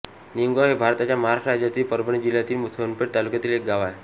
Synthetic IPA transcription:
niəŋɡoɦebʱaɾt̪at͡ɕjaməɦaɾaʂɾad͡ʑjat̪iːlpəɾbəɳ̃id͡ʑiljat̪iːlmut̪ʰənpeʈt̪alukjat̪iːlek̚ɡaʋae

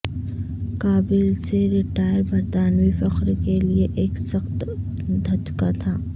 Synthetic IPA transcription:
kaːbɪlseɾɪʈaːɪəɾbʱɐɾd̪aːnwifɐxɾkelieʔeːksɐxt̪ | d̪ʱɐt͡ʃkat̪ʰaː

